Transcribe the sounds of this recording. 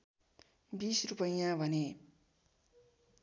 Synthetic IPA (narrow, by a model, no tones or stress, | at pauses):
bisrupʌjãbʱʌne